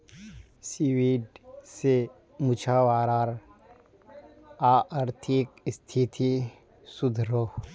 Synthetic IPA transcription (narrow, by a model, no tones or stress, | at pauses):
siwiːɖse | mʊt͡ʃʰaʋaːɾaːɾ | aʔəɾt̪ʰikst̪ʰit̪ʰi | sʊd̪ʱɾoː